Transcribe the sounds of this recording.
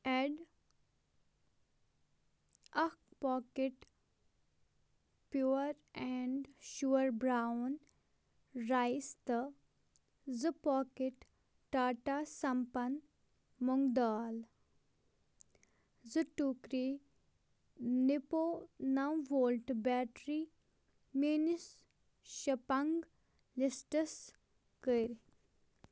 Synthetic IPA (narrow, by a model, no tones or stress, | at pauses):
eɖ | ɐkpɔːkeʈ | pjuːɾɛɳɖʃuɐɾbɾawn | ɾajst̪ə | zɨpɔːkeʈ | ʈaːʈasɐmpɐn | moŋd̪aːl | zɨʈukɾi | niponɐwʋoːlʈbɛːʈɾi | menis | ʃɐpɐŋɡ | lisʈəs | kəɾ